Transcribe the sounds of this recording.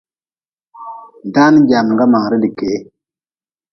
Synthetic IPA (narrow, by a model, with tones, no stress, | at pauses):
da˦nɟa˨m˨ŋɡa˦maː˨ɾi˦di˨ke˨˦